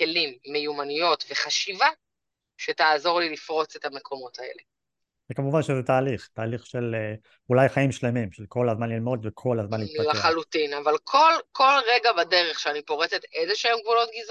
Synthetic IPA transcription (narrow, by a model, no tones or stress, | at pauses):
ke̞limːejumanijo̞tve̞χaʃiva | ʃe̞taːzo̞ʁlilifʁo̞t͡setamekʰo̞mo̞tʰae̞̰le̞ | zekamuvanʃezɛtaːliχt̪aːliχʃel | ulajχaimʃle̞mimʃelko̞lazmanlilmo̞d̪vekʰolazmanlilaχalutinavalkʰo̞lkʰo̞lʁe̞ɡabade̞ʁe̞χʃeanipo̞ʁet͡setezeʃeemɡvulo̞t̚ɡiz